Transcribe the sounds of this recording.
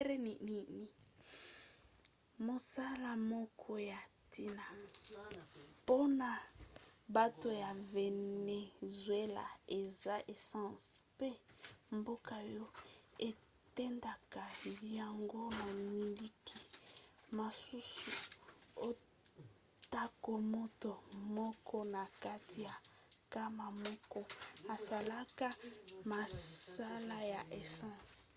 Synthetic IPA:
e˦ni˨ni˨ni˨ | mo˨sa˦la˨mɔ˦kʰɔ˦ja˨tʰi˦na˨ | po˦na˨ | ba˦to˨ja˨ve˨ne˨zwe˦la̰˨e˨za˦ʔe˨sã˦˨spe˦mbo˦ka˨jɔ˦e˨ | tɛ˦nda˨ka˨ja˨ŋɡo˦na˨mi˨li˦ki˨ma˨su˦su˨o˦ | ta˦ko˨mo˦to˨mɔ˦kʰɔ˦na˨ka˦ti˨ja˨ | ka˦ma˨mɔ˦kɔ˦a˨sa˨la˦ka˦ma˨sa˦la˦ja˨ʔe˨sã˦˨s

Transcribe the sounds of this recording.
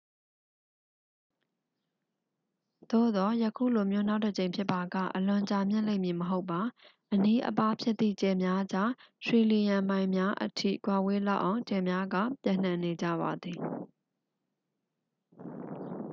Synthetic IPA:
d̪̥o̰˦˨d̪ɔ˨˦jəkʰṵ˦˨lo˨mjo˦˨na˦ʊʔtːə˨t͡ɕẽ˨ɪ̃pʰjɪ˦pːa˨ɡä̰˦˨ʔəlʊ̃˨ɲt͡ɕa˨mjɪ̃˦˨lẽ˦ɪ̃˨mji˨məɦo˦ʊpːa˨ʔəni˦ʔə̰pa˦pʰjɪ˦t̪t̪ːḭ˦˨t͡ɕɛ˨mja˦d͡ʑa˦swi˨li˨jã˨mã˨ɪ̃mja˦ʔə̰tʰḭ˦˨kwa˨we˦la˦ʊʔã˨ʊ̃ɲt͡ɕɛ˨mja˦ɡa̰˦˨pjã̰˦˨n̥ã˨ne˨d͡ʑä̰˦˨βa˨d̪ði˨

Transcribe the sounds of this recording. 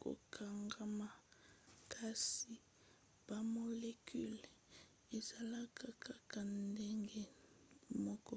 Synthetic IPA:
ko̰˨kʰa˨ŋɡa˨ma˨kʰa˨si˨ | b̥a˨mo˨le˦kʰy˦l | e˨za˨la˦kʰa˨kʰa˦ka˨nde˦ŋɡe˦ | mɔ˦kɔ˦

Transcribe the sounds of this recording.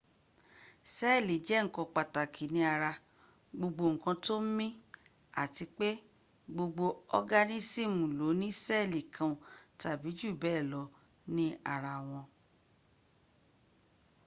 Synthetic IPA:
sɛ˦˨li˨d͡ʒɛ˨˦ŋ̩˨kɔ̃˧k͡pa˨ta˨kʰi˨nĩ˦a˧ɾa˧ | ɡ͡bo˧ɡ͡bo˧ŋ̩˨kã˧to˦m̩˦mĩ˦ | a̰˨ti˧k͡pe˦ | ɡ͡bo˧ɡ͡bo˧ɔ˧ɡa˦nĩ˦si˦˨mũ˨lo˨˦nĩ˦sɛ˦˨li˨kʰã˧˨ta˨bi˨˦d͡ʒu˦˨bɛ˦˨lɔ˨˧˦ | nĩ˦a̰˨ɾa˧w̃ɔ̃˧

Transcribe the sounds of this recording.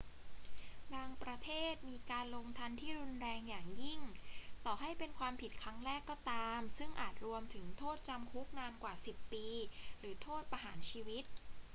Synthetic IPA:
baː˧ŋpɾa˧t̪ʰeː˥˩t̪̚miː˧kaː˧nloː˧ŋt̪ʰa˧nt̪ʰiː˥˩ɾu˧nɾɛː˧ŋjaː˨˩ŋji˥˩ŋt̪ɔː˨˩ɦa˥˩jpe˧nkʰwaː˧mpʰi˨˩t̪̚kʰɾa˦˥ŋɾɛː˥˩kːɔː˥˩t̪aː˧msɯ˥˩ŋʔaː˨˩t̪̚ɾu˧əmt̪ʰɯ˩˦ŋt̪ʰoː˥˩t̪̚t͡ɕa˧mkʰu˦˥k̚naː˧nkwaː˨˩si˨˩pːiː˧ɾɯː˩˦t̪ʰoː˥˩t̪̚pa˧ɦaː˩˦nt͡ɕʰiː˧wi˦˥t̪̚

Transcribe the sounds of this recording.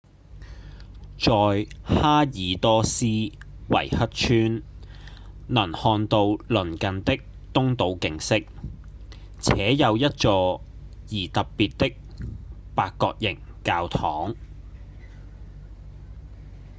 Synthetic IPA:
t͡sɔː˨˧jhaː˥jiː˨˥t̪ɔː˥siː˥wɐ̰˨˩jhɐ˥t̚t͡ʃʰyː˥n | nɐ˨˩nhɔː˧nt̪o˧wlɵ˨˩nkɐ˨nt̪ɪ˥k̚ | t̪ʊ˥ŋt̪o˨˧wkɪ˨ŋsɪ˥k̚ | t͡sʰɛː˨˥jɐ˨˧wjɐ˥t̚t͡sɔː˧jiː˨˩t̪ɐ˨ppːiː˨t̚t̪ɪ˥k̚paː˧kːɔː˧k̚jɪ˨˩ŋkaː˧wt̪ʰɔː˨˥ŋ

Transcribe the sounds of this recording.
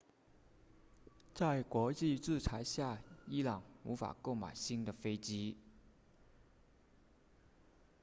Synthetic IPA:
t͡sa˥˩ɪkwɔ˧˥t͡ɕi˥˧ʈ͡ʂɻ̩˥˩t͡sʰa˧˥ɪɕja˥˩i˥lɑ˨˩ŋṵ˧˥fa̰˨˩ko˥˩ʊma̰˨˩ɪɕi˥nd̪ə˨fe˥ɪt͡ɕi˥

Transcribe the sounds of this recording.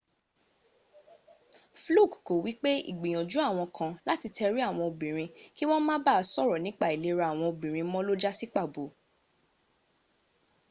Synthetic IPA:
flu˦˨kko˨wi˦k͡pe˦ḭ˨ɡ͡bĩ˨j̃ɔ̃˨d͡ʒu˨˦a˦˨w̃ɔ̃˧kʰã˧la˦ti˧tʰɛ˧ɾi˦a˦˨w̃ɔ̃˧o˧˨bĩ˨ɾ̃ĩ˧ki˦w̃ɔ̃˦mãː˦ba˦˧sɔ˦˨ɾɔ˨nĩ˨˦k͡pa˦˨i˨le˨˧ɾa˧˨a˨w̃ɔ̃˧o˨bĩ˨ɾ̃ĩ˧˦mɔ̃˦lo˦d͡ʒa˦si˦k͡pa˦˨bo˨˦

